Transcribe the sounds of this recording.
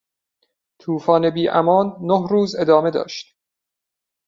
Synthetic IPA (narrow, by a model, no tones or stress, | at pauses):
t̪ʰuːfɒːne̞biːʔæ̰mɒːnːohɾuːze̞d̪ɒːme̞d̪ɒ̰ːʃt̪